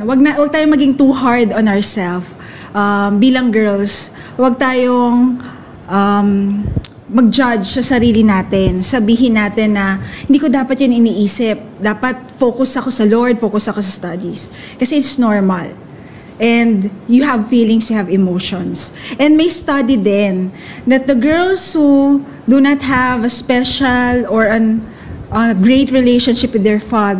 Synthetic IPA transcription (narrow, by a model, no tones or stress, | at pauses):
wɐɡ̚nawɐɡ̚t̪aːjoŋmɐɡɪŋt̪uːɦaɹd̪ɔnɐɹsɛlf | ʔɐmbiːlɐŋɡɛɹls | wɐɡ̚t̪aːjoŋ | ʔɐm | mɐɡ̚d͡ʒad͡ʒsɐsɐɾiːlɪnaːt̪ɛnsɐbiːɦɪnaːt̪ɛnːɐhɪnd̪iːkod̪aːpɐt̪̚jɐnɪniːʔiːsɪp̚d̪aːpɐt̪̚foːkʊsɐko̞sɐloɹd̪̚foːkʊsɐko̞sɐst̪ɐd̪is | kɐsɛʔɪt̪snoɹmɐl | ʔɛ̃nd̪jʊɦɐvfiːlɪ̃ŋst̪ʊhɐvɛmoʃɔ̃nsʔɛnmɐjst̪ɐd̪id̪ɛnd̪ɐt̪̚d̪ɐɡɛɹlshu | d̪unɐt̪̚hɐvɐspɛʃɐlɔɹɐn | ʔɐɡɹeɪt̪ɹɪleʃonʃɪpwɪd̪ːɛɹfad̪